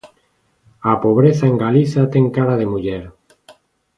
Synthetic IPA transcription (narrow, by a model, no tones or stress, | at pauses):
apoβ̞ɾeθaeŋɡaliθat̪eŋkaɾaðemuʎeɾ